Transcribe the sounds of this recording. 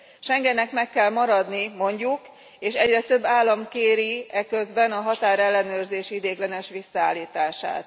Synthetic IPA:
ʃɛŋɡɛnɛkmɛkːɛlmɒɾɒd̪nimo̞ɲɟuk | eːʃɛɟrɛt̪ø̞bːaːlːɒmkeːɾiɛkø̞zbɛnɒɦɒt̪aːɾɛlːɛnøːrzeːʃid̪eːɡlɛnɛʃʋisːɒaːlːiːt̪aːʃa̰ːt̪

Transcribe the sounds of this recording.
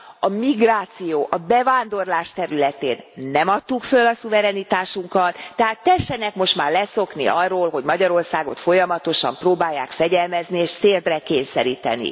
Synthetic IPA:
ɒmiɡraːt̪sijoːʔɒbɛvaːnd̪o̞rlaːʃt̪ɛɾylɛt̪eːnːɛmɒt̪ːukfølɒsuvɛɾɛnit̪aːʃuŋkɒt̪ːɛɦaːt̪ːɛʃːɛnɛkmo̞ʃt̪maːrlɛso̞knḭʔɒrːoːlɦo̞ɟmɒɟɒɾo̞rsaːɡo̞̰t̪fo̞jɒmɒt̪o̞ʃɒ̰mproːbaːjːaːkfɛɟɛlmɛznieːʃt̪eːrd̪rɛkeːnsɛɾiːt̪ɛ̰nḭ

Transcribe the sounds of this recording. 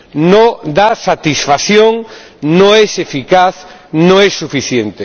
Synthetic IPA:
nod̪asat̪isfaθjoŋ | nõŋɛsefikaθnõŋɛsufiθjent̪e

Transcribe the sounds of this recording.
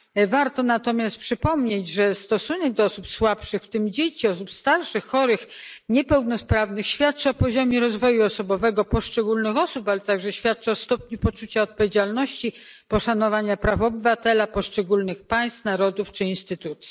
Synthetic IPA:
vaɾt̪ɔnat̪ɔmʲjast̪̚pʂɘpɔmɲed͡ʑʐɛst̪ɔsunɛɡ̚d̪ɔɔsupswapʂɘxft̪ɘmd͡ʑet͡ɕiɔsupst̪aɾʂɘxːɔɾɘxɲɛpɛwnɔspɾavnɘxɕfʲjat̪̚t͡ʂɔpɔʑɔmʲjɛɾɔzvɔjuɔsɔbɔvɛɡɔpɔʂt͡ʂɛɡulnɘxɔsupalɛt̪aɡʐɛɕfʲjat̪̚t͡ʂɛɔst̪ɔpɲupɔt͡ʂut͡ɕaɔt̪̚pɔvʲjed͡ʑalnɔɕt͡ɕi | pɔʂanɔvaɲapɾafɔbɘvat̪ɛlapɔʂt͡ʂɛɡulnɘxpaj̃st̪naɾɔd̪uft͡ʂɘinst̪ɘt̪ut̪sʲji

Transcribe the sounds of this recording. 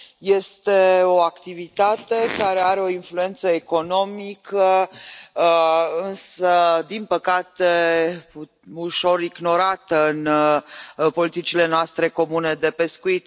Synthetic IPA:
je̞st̪e̞o̞akt̪ivit̪at̪e̞kaɾe̞aɾeo̞influe̞nt̪səeko̞no̞mikə | ɨnsəd̪inpəkat̪e | uʃo̞ɾiɡno̞ɾat̪əɨn | po̞lit̪it͡ʃile̞noast̪ɾe̞ko̞mune̞d̪e̞pe̞skuit̪

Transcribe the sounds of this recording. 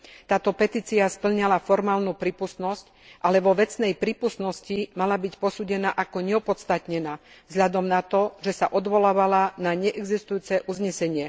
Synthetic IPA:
t̪aːt̪ɔpɛt̪iːt͡siaspl̩ɲalafɔɾmaːlnupɾiːpust̪nɔsc | ʔalɛʋɔʋɛt͡snɛjpɾiːpust̪nɔscimalabicpɔsuːɟɛnaʔakɔɲɛɔpɔt̪st̪at̪ɲɛnaː | vzɦʎad̪ɔmnat̪ɔʒɛsaʔɔd̪ʋɔlaːʋalanaɲɛʔɛɡzist̪ujuːt͡sɛʔuzɲɛsɛɲɪɛ

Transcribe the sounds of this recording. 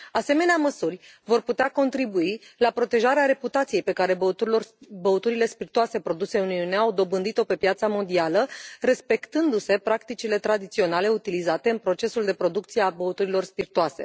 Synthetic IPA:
ase̞me̞neaməsurʲvo̞rput̪eako̞nt̪ɾibuilapɾo̞t̪e̞ʒaɾeaɾe̞put̪at̪sije̞jpe̞kaɾe̞orbəut̪uɾile̞spirt̪uase̞pɾo̞d̪use̞uniuneawd̪o̞bɨnd̪it̪o̞pe̞pjat̪samo̞nd̪ialəɾe̞spe̞kt̪ɨnd̪use̞pɾakt̪it͡ʃile̞t̪ɾad̪it̪sio̞nale̞ut̪ilizat̪e̞ɨnpɾo̞t͡ʃe̞suld̪epɾo̞d̪ukt̪sieabəut̪uɾilo̞rspirt̪uase̞̰

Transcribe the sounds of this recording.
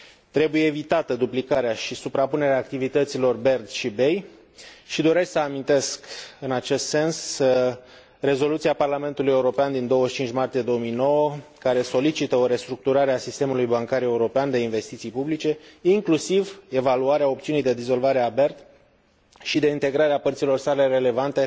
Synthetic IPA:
t̪ɾe̞buje̞ːvit̪at̪əd̪uplikaɾeaʃisupɾapune̞ɾeaːk̚t̪ivit̪ət̪silo̞rbe̞rd̪ʃibe̞j | ʃid̪o̞ɾesksəamint̪e̞skɨnat͡ʃe̞st̪se̞ns | re̞zo̞lut̪siaparlame̞nt̪uluje̞uɾo̞peand̪ind̪o̞wəʃt͡ʃint͡ʃʲmart̪ije̞d̪o̞womijno̞wəkaɾe̞so̞lit͡ʃit̪əo̞ɾe̞st̪ɾuk̚t̪uɾaɾeasist̪emulujbaŋkaɾe̞uɾo̞peand̪e̞inve̞st̪it̪sijpublit͡ʃe̞iŋklusive̞valuaɾeao̞pt̪siunijd̪e̞d̪izo̞lvaɾeabe̞rd̪ | ʃid̪e̞int̪e̞ɡɾaɾeapərt̪silo̞rsale̞re̞le̞vant̪e̞

